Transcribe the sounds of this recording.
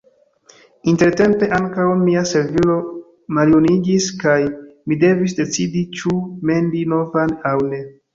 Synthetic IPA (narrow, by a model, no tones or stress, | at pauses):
inte̞ɾte̞mpe̞ʔaŋkawmiase̞ɾvilo̞ | maljuniɡiskajmide̞vis̬de̞t͡sidit͡ʃume̞ndino̞vanawne̞